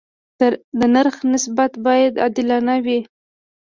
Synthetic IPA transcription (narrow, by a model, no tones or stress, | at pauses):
d̪ənaɾxnɪsbat̪bɑjad̪a̰d̪ɪlɑnawi